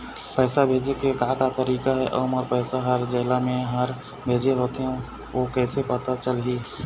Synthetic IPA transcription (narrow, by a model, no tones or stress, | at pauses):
pɛːsabʱeːd͡ʒekeɡaːk̪at̪əɾiːkaɦɛʔəːmɔɾpɛːsaɦəɾd͡ʒeːlamẽɦaɾ | bʱeːd͡ʒeɦoːt̪eɦɛ̃ | ʋoːkɛːsepət̪at͡ʃəlɦiː